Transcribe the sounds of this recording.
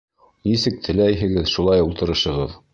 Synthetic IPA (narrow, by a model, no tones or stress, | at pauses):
nisɘk̚t̪ʰɘ̆læjɦɘ̆ɡɘðʃulˠɑjulˠt̪ɤ̆ɾɤ̆ʃɤ̆ʁɤð